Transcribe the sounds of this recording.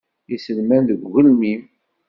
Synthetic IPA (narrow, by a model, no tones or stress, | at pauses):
isəlmænðəɡɣəlmim